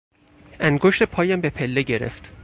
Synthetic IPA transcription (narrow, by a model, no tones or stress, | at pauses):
ʔæŋɡoʃt̪epʰɒːjæmbe̞pʰelːeɟe̞ɾḛft̪